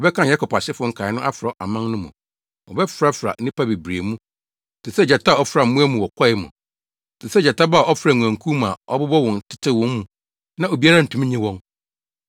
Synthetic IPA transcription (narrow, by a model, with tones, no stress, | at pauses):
ɔ˨bɛ˦kʰã˦ja˦kʰɔ˨pa˨ɕɪ˦fʊ˦ŋ̩˨kʰa˨ɪ˦nʊ̃˦ʔa˦fɾɔ˨˦ʔa˨mã˦ŋnʊ̃˦mũ˨ | wɔ̰˨bɛ˦fɾa˦fɾa̰˨˦nĩ˦pʰa˦be˨bɾe˨mũ˦ | tʰɪ˨sɛ˦˨d͡ʑa˨tʰa˦˨ɔ˦fɾa˨m̩˦mũ˦ɛ˦mũ˨wɔ˨kʰɔ˦ɪ˦mʊ̰̃˨ | tʰɪ˨sɛ˦d͡ʑa˨ta˦ba˦˨ɔ˦fɾa˨ŋʷ˨ã˨ŋ˨kʰũ˦m˨a˨ɔ̰˦bʊ˦bɔ˦wɔ̃˨n˨tʰɪ̥˦tʰɪ˦wɔ̃˦m˦mũ˨ | nã˦o˨bi˨a˦ɾa˦˨n̩˨tʰũ˨˦m̃˦ɲĩ˦wɔ̃˦ŋ